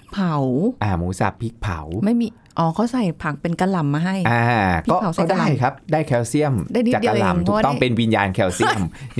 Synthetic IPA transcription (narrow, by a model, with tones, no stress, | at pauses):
pʰa˨˦wʔaː˧˩muː˨˦sa̰˨˩pʰːi˦˥k̚pʰa̰˨˩˦wma˥˩jmiː˧ | ʔɔː˧˩kʰa˧˥˩wsa˨˩jpʰa˨˩k̚pe˧nka˧la˨˩mːaː˧ɦa˥˩jʔaː˧kpʰi˦ɔ˥˩a˨˦wsɔː˨˥˩aː˥˧a˥˩jkʰa˦˥p̚daː˥˩jkʰɛː˧wsi˥˩əmdaː˥˩jdi˥aː˨˩dka˧la̰˧˩mt̪ʰuː˨˧˩tɔ˥˩pe˧nwi˧njaː˧nkʰɛː˧wsi˥˩əm